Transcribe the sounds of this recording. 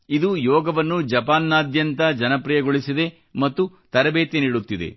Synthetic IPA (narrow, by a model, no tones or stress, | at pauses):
id̪ujɔːɡɐʋɐnːud͡ʒɐpaːnːaːd̪jɐnt̪ɐd͡ʒɐnɐpɾijɐɡoɭisid̪e̞ | mɐt̪ːut̪ɐɾɐbeːt̪eniːɽut̪ːid̪ḛ